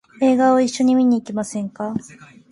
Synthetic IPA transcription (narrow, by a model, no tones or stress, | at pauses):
e̞ːɡaoiɕːo̞ɲ̟imʲiɲ̟iːkʲimasẽ̞ŋka